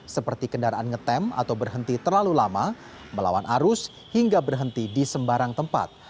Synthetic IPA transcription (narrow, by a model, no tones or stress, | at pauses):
səpərt̪ikəndaɾaʔanŋət̪ɛma̰t̪awbərɦənt̪it̪ərlalulama | məla̰wanʔaɾʊs | hiŋɡabərɦənt̪idisəmbaɾaŋt̪əmpa̰t̪̚